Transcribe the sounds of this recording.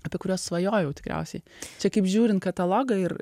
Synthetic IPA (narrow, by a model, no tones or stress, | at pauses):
ɐpʲiɛkʊɾʲoːssʋɐjoːjɛʊt̪ʲɪkɾʲɛ̰ʊsʲɛɪt͡ʃʲɛkɐɪpʒʲuːɾʲɪnt̪̚kɐt̪ɐlˠoːɡɐɪɾ